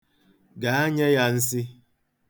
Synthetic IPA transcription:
ɡa˨a˦ɲe˦ja˦n̩˦s̬i˦

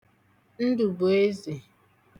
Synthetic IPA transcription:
n̩˦du˨bo˨e˦ze˨

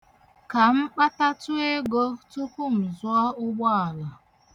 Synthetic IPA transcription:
ka˨m̩˦k͡pa˦ta˦tu˦e˦ɡo˦tu˦ku˦m̩˨zwɔ˦ʊ˦ɡ͡bɔ˦a˨la˨

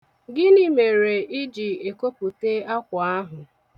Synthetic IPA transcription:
ɡɪ˦ni˦me˨ɾe˨ɪ˦d͡ʒi˨e˨ko˦pu˨te˦a˦kʷʊ˨a˦ɦʊ˨

